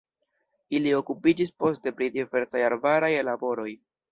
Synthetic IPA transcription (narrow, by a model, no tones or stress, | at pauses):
ilio̞kupid͡ʒispo̞ste̞pɾidive̞ɾsajaɾbaɾajlabo̞ɾo̞j